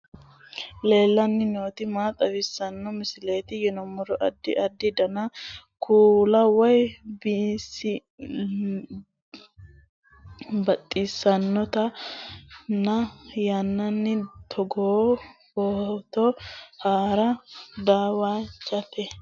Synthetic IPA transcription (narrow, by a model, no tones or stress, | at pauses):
le̞ːlːɐnːɪnoːt̪ɪmaːt̪ʼɐwɪsɐnːɔmɪsɪleːt̪ɪjɛnɔmːɔɾɔʔɐ̰d̪ːɪʔɐd̪ːɪd̪ɐnɐkʰuːlɐwɔjbisɪ | bɐt̪ʼːɪsːɐnːɔt̪ɐ | nɐjanːɐnːɪt̪ʰɔɡoːboːt̪ɔhaːɾɐd̪aːwaːt͡ʃʼːɐt̪ɛ